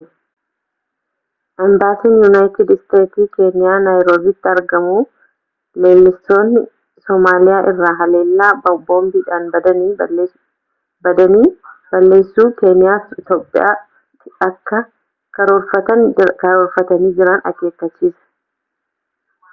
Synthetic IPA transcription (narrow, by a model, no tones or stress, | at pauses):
ʔɐmbaːt̪iːnjunaːjt̪ɪd̪st̪e̞ːt̪iːke̞ːnɪjaːnaːjɾoːbiːt̪ːɪɐɾɡɐmuː | leːlːɪst̪o̞ːnːɪ | sɔmaːlɪjaːʔɪrːaːɦɐle̞ːlːaːbɐbo̞ːmbiːᶑaːnbɐd̪ɐniː | bɐd̪ɐniːb̥ɐlːe̞ːsːuːke̞ːnɪjaːfɪt̪oːpʼːɪ̰ja̰ː | ɐkːɐ | kɐɾoɾfɐt̪ɐnkɐɾoːɾfɐt̪ɐniːd͡ʒɪɾɐnɐ̰kːe̞ːkːɐt͡ʃːiːsɐ̥